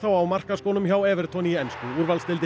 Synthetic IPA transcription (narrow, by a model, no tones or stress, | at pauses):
θawawmar̥kaskoːwnʏmçawɛːvɛɾ̥t̪ʰɔniɛnskʏuːɾvalst̪ɪlt̪ɪ